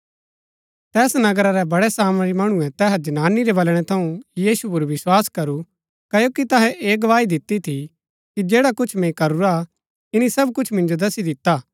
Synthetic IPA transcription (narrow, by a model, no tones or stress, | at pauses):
t̪ɛːsnɐɡəɾaɾɛbɐɽɛsaːmɾimɐɽ̃ũɛ̃t̪ɛːɦd͡ʒɐnaːniɾɛbɐlɽ̃ɛt̪ʰɐũjiːsup̬ʊɾʋɪswaːskɐɾu | kɐjokit̪ɐɦɛʔeːɡɐʋaːid̪ɪt̪ːit̪ʰi | kid͡ʒeːɽakʊt͡ʃʰmɛ̃ĩkɐɾuɾa | ɪnisɐbkʊt͡ʃʰmɪ̃nd͡ʒod̪ɐsid̪ɪt̪ːaː